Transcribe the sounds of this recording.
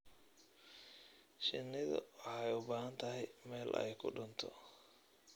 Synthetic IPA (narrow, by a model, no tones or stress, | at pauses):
ʃɪnːɪðʊ̰wħɛjʊbaːhɐnt̪ʰɐɦɛjmɛːlɛ̰jkʰʊ̰ɖʊnt̪ʰɔ̰